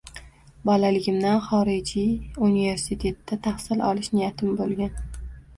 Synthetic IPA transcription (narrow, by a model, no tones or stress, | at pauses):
bɒlalɪɡʲɪmd̪anχɒɾɪd͡ʒiunive̞ɾsɪt̪ʰe̞t̪ːat̪ʰahsɪlɒ̰lˠɪʃnɪjat̪ʰɪmbolˠɡʲan